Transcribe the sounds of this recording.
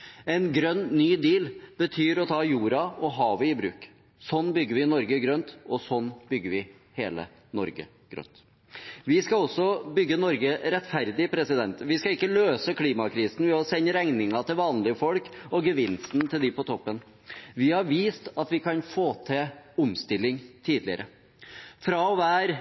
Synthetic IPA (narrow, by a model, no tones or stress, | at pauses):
ɛnɡɾœnːnyːd̪iːlb̥ət̪ʰyːɾɔt̪ʰɑːjuːɾɑɔɦɑːʋəɪbɾʉ̰ːk | sɔnːbʏɡːəɾʋɪnɔɾɡəɡɾœnt̪ɔsɔnːbʏɡːəɾʋɪ | heːlə̰ | nɔɾɡə̰ | ɡ̥ɾœ̰nt̪ | ʋɪskɑɔsɔbʏɡːənɔɾɡəɾɛt̪fæɾd̪ɪpʰɾɛsɪd̪ɛnt̪ʋɪskɑɪkːəløːsəkʰliːmɑkʰɾiːsn̩ʋɪɔsɛnːəɾæŋnɪŋɑt̪ʰɪlʋɑːnlɪəfɔlkɔɡəʋɪnst̪nt̪ʰɪld̪ɪpɔt̪ʰɔpːən | ʋɪhɑɾʋiːst̪ɑt̪ʋɪkʰɑnfoːt̪ʰɛʊmst̪ɪlːɪŋt̪ʰiːd̪lɪə̰ɾʔə | fɾɑʋæːɾ